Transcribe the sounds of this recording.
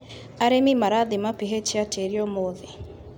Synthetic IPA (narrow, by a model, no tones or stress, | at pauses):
aɾemimaɾaðimapiɦet͡ʃiatʰeɾiɔmoðe